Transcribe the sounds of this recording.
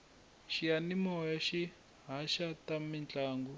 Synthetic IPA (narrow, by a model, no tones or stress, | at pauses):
ʃianimɔjaʃi | ɦaʃatamint͡ɬʼaːŋɡu